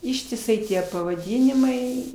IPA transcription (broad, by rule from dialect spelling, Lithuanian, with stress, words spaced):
ɪʃʲtʲɪˈsɐɪ ˈtʲiɛ pɐʋɐˈdʲiːnʲɪmɐɪ